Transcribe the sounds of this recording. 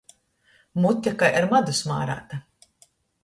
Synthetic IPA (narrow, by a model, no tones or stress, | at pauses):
mut̪ʲːakajʔaɾmad̪usma̰ːɾa̰ːt̪a